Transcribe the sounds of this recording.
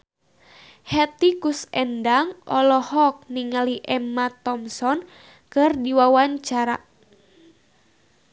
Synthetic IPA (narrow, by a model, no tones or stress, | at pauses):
hɛt̪ikusɛndaŋʔɔlɔhɔk̚niŋaliʔɛmːat̪ɔmsɔn | kɨrdiwawaɲt͡ʃaɾa̰